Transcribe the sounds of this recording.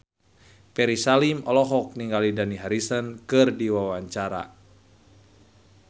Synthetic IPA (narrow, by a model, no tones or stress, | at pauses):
pɛɾisalimɔlɔɦɔk̚niŋɡalidaniɦaɾisənkɨrdiwawaɲt͡ʃaɾa̰